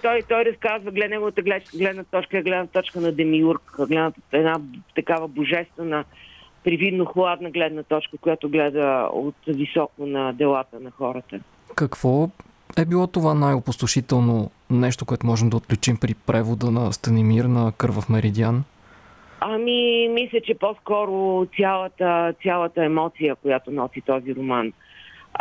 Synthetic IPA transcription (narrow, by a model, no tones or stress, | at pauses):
t̪ɔjt̪ɔjɾɐskazvəɡlɛd̪nɛɡʊvət̪əɡlɛt͡ʃkəɡlɛd̪nət̪ɔt͡ʃkəɛɡlɛd̪nət̪ɔt͡ʃkənɐd̪ɛmiuɾkɡlɛd̪nət̪ɛd̪nat̪ɐkavəboʒɛst̪vɛnə | pɾivid̪noxlˠad̪nəɡlɛd̪nət̪ɔt͡ʃkəkʊjat̪ʊɡlɛd̪əo̰t̪visɔkʊnɐd̪ɛlˠat̪ənɐxɔɾət̪ə | kɐkv̥ɔ | ɛbilˠɔt̪ovanajopʊst̪ʊʃit̪ɛlˠno | nɛʃt̪okʊɛt̪omɔʒɛmd̪əot̪̚klʲut͡ʃimpɾipɾʔɛvod̪ənɐst̪ɐnimiɾnəkɤɾvəfmɛɾid̪ian | ɐmimislʲət͡ʃɛposkɔɾʊt̪sʲalˠət̪ət̪sʲalˠət̪əɛmɔt̪sijəkojat̪onɔsit̪ɔziɾoman